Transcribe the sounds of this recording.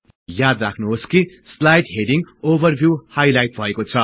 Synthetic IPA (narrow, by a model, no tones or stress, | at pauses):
jad̪rakʰnuɦoski | slajʈɦeɖiŋɡobʌrbʱjuhajlajʈ̚bʱʌekot͡sʰʌ